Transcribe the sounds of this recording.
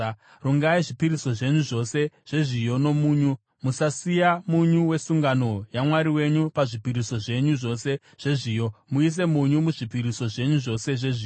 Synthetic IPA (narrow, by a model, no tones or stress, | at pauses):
ruŋɡaiʐipiɾiso̞ʐe̞ɲuʐo̞se̞ʐ̥e̞ʐijo̞no̞muːɲu | musasijamuɲuwe̞suŋɡano̞jamwaɾiwe̞ɲupaʐipiɾiso̞ʐe̞ɲuʐo̞se̞ | ʐ̥e̞ʐiːjo̞muis̬e̞muɲumuʐipiɾiso̞ʐe̞ɲuʐo̞se̞ʐe̞ʐiːo